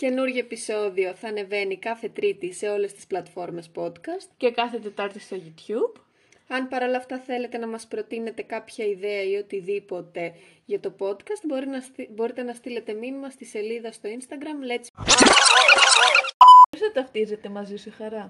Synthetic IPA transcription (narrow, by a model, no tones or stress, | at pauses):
ce̞nuɾʝoepiso̞ðio̞θɐːne̞ve̞nikɐθe̞t̪ɾit̪ise̞o̞le̞st̪i̥splɐt̪fo̞ɾme̞spo̞t̪kɐst̪ce̞kɐθe̞t̪e̞t̪ɐɾt̪ist̪eʝut̪çub̥ | ɐnpɐɾo̞lɐːft̪ɐθe̞le̞t̪e̞nɐmɐspɾo̞t̪ine̞t̪e̞kɐpçɐiðe̞ɐio̞t̪iðipo̞t̪e̞ʝɐt̪o̞po̞t̪kɐst̪̚boɾinbo̞ɾit̪e̞nɐst̪ile̞t̪e̞minimɐst̪ise̞liðɐst̪o̞inst̪ɐɡɾɐmlet͡si | sɐt̪ɐft̪ize̞t̪e̞mɐzisixɐɾɐ